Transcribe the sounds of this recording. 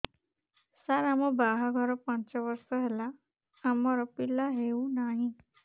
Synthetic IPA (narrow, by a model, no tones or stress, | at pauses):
saɾamɔbaɦaɡʱɔɾɔpãnt͡ʃɔʋəɾsɔɦelaː | mɔɾɔpilːaɦeũnaɦĩ